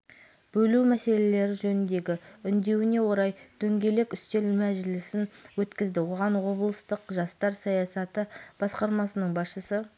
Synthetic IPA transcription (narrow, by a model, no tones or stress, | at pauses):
b̥ɵlumæse̞le̞le̞ɾɪʒɵnɪnd̪e̞ɡʲɪʏnd̪e̞wɪne̞wo̞ɾɑjt̪ʰɵŋɡʲe̞le̞kʏst̪e̞lmæʒɪlɪsɪnwɵt̪kʲɪzd̪ɪwo̞ʁɑnwo̞blˠəst̪əqʒɑst̪ɑɾsɑjɑsɑt̪əb̥ɑsqɑɾmɑsənəɴbɑsʃəsə